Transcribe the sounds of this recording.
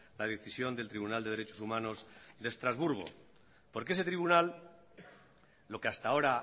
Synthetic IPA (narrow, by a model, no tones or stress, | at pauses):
lað̞eθisjo̞nd̪e̞lt̪ɾiβunald̪e̞ðe̞ɾe̞t͡ʃo̞sumãno̞zd̪e̞st̪ɾazβuɾɣ̞o̞̰ | po̞ɾkeese̞t̪ɾiβunal | o̞keast̪ao̞ɾa